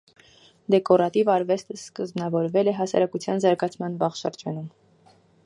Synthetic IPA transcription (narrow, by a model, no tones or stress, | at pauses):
d̪ɛkɔɾɑt̪ivɑɾvɛst̪əskəzmnɑvɔɾvɛlɛɦɑsɑ̰ɾɑkut͡sʰjɑnzɑɾɡɑt͡sʰmɑnbɑχʃəɾd͡ʒɑnum